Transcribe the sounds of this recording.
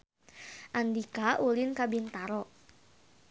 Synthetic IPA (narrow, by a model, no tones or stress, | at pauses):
ʔand̪ikaʔulɪnkabint̪aɾɔʔ